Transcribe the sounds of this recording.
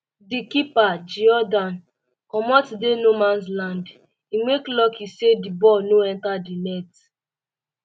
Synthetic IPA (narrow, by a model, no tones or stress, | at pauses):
dikipad͡ʒiɔdãn | kɔmɔtdenomãnslãnd | imeklɔkisedibɔnoɛ̃ntadinɛt